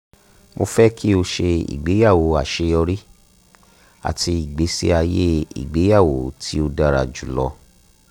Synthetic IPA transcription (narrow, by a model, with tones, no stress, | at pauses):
mo˧fɛ˦ki˦o˧ʃe˧ḭ˨ɡ͡be˨˦ja˦˨wo˨˦a˨ʃe˧ɔ˧ɾi˦ | a̰˨tʰi˧i˨ɡ͡be˨˦si˦a˧je˦ḭ˨ɡ͡be˨˦ja˦˨wo˨˦tʰi˦o˧da˧ɾa̰˨d͡ʒu˨lɔ̰˧